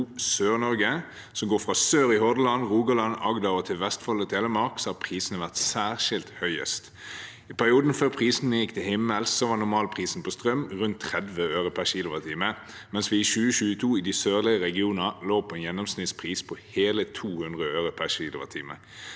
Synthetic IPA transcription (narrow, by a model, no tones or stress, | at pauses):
søːʁnɔɾɡə | sɔmɡoːfʁɑsøːɾɪhɔd̪əlɑnʁuːɡɑlɑnɑɡd̪ɑʁɔt̪ʰɪlʋɛst̪fɔlɔt̪ʰɛləmɑʁksɔhɑpʰʁiːsənəʋæʁt̪sæːʁʃɪlt̪hœʏə̰st̪ | ɪpʰæʁɪuːd̪n̩føːʁpʰʁiːsn̩ːəjɪkːt̪ʰɪlhɪmːəlssɔʋɑːnʊmɑːlpʰʁiːsn̩pʰɔst̪ʁœmʁʉnt̪ʰːʁɛd̪ʋəøːʁʊpʰæʃiːlʊʋət̪ʰiːmə | mɛnsʋɪʃʉːəɕʉːət̪ʰuːɪd̪ɪsøːʁlɪəʁɛɡɪuːnəloːpʰɔɛnjɛnːɔmsnɪt̪spʰʁiːspʰɔheːlət̪ʰuːhʉnd̪ʁəøːʁʊpʰæʃiːlʊʋət̪ʰiːmə̰